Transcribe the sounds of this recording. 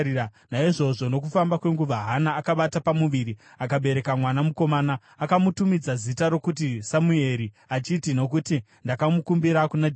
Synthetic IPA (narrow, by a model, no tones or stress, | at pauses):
anaiʐo̞ʐo̞no̞k̬ufambakwe̞ŋɡuʋaɦanaːkaɓatapamuʋiɾi | akaɓe̞ɾe̞kamwanamuko̞maːnaː | kamutumid͡zazitaɾo̞kut̬isamue̞ɾi | at͡ʃitino̞kuti | ndakamukumbiɾakunad͡ʒ